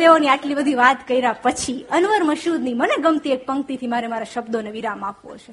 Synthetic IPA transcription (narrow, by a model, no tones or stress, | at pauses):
eoniaʈlibəd̪ʱiʋat̪kəiɾapət͡ʃʰiənʋəɾməʃud̪niməneɡəmt̪iek̚pəŋkt̪it̪ʰimaɾemaɾaʃəbd̪oneʋiɾamapʋo̰t͡ʃʰe